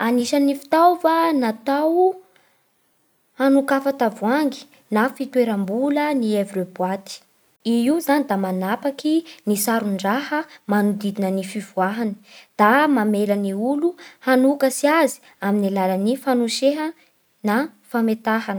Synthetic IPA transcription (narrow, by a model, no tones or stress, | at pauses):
aniʃanifi̥t̪awfanat̪aw | hanukafat̪avuaŋɡi̥ | nafit̪weɾəmbulənievɾebwat̪i̥ | iizanid̪amanapakinisaɾuɳɖ͡ʐahəmanud̪id̪inənifivuaɦani̥d̪̥amameləniuluhanukəsiazi̥ | aminalalənifanuʃeɦə | nafamet̪aɦanə̥